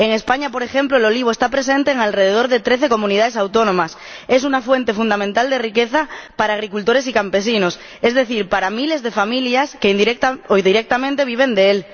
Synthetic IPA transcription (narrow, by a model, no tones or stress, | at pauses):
eŋe̞spaɲapo̞ɾexe̞mploelo̞liβoest̪apɾe̞se̞nt̪eːŋalreð̞eðo̞ɾðe̞t̪ɾe̞θe̞ko̞mũniðaðe̞sawt̪o̞nõ̞mas | e̞s̬unafwe̞nt̪e̞fund̪amẽnt̪ald̪erikeθapaɾaːɣ̞ɾikult̪o̞ɾe̞s̬ikampe̞sinos | e̞zðe̞θiɾpaɾamile̞zðe̞familjaskeind̪iɾekt̪aoðiɾek̚t̪amẽnt̪e̞βiβ̞e̞nd̪eel